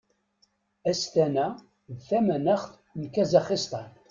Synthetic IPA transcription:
æst̪ænæ | ðθæmænæχθ | nkæzɑχist̪ˤɑn

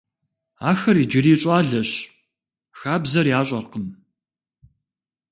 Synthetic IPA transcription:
a̰ːxɐriːd͡ʒɪriːɕʼaːɮɐɕ | xaːbzɐrjaːɕʼɐrqən

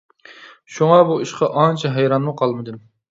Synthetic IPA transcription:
ʃuŋɑbuiʃqʰɑʔɑnt͡ʃʰɛɦæjɾɑnːuqʰɑlˠmɨd̪ɨm

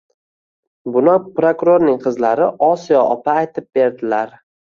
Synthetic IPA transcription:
bʊnɪpɾokʊɾoɾnɪŋqʰɨzlaɾɪʔɒsijɒʔɒpʰaːjt̪ʰɪp̚be̞ɾd̪ɪlaɾ

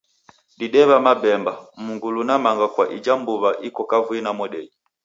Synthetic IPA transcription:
ɗiɗɛβamabɛmbamuŋɡulunamaŋɡakwaʔid͡ʒambuβaʔikɔkavuinamɔɗɛi

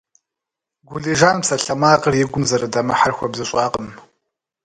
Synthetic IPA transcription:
ɡʷuliʒanpsaɬamaqʼərjɪɡʷʊmzaɾadamaħarxʷabzɨɕʷʼaqʼəm

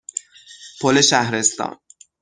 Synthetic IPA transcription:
pʰoleʃæhɾe̞st̪ɒ̰ːn

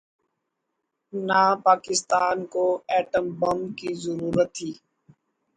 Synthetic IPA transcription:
naːpaːkɪst̪aːnkoːɛːʈəmbəmkizəɾuːɾət̪ʰːiː

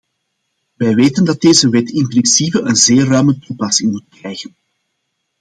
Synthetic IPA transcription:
ʋɛjʋeːtəndɑt̚deːzəʋɛtɪmpɾɪnsiːpəənzeːrːœɥmətupɑsɪŋmut̚krɛjɣən

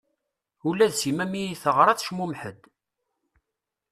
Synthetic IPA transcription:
ulæðzimæmijiθəʁɾˤɑθʃmumħəd̪

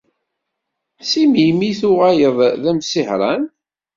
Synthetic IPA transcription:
simimiθʊʁajəðˤðæmsiħɾˤɑn

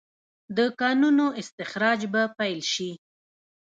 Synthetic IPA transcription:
d̪əkɑnunoɪst̪ɪxɾɑd͡ʒbapajlʃi

